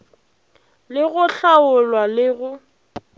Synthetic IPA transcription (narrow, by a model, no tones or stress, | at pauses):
lɪɣʊɬaʊlwalɪɣʊ